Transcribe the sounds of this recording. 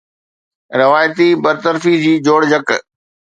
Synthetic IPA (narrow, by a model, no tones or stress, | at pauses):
ɾɪʋaːjt̪ibɐɾt̪əɾfid͡ʑiːd͡ʑoːɽd͡ʑək